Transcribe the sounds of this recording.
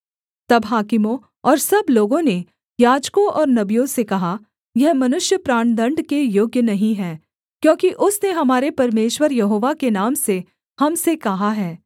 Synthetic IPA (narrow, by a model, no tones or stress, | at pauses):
t̪ɐbɦaːkɪmõ | ɔːɾsɐbloːɡõne | jaːd͡ʒkõʔɔːɾnɐbijõsekɐɦa | jɛɦmɐnʊʃjəpɾaːɳ̃d̪ɐ̃ɳɖkejoːɡjənɐɦĩɦɛː | kjõːkiʔʊsneɦɐmaːɾepɐɾmeːʃwəɾjɐɦoːʋakenaːmse | hɐmsekɐɦaɦɛː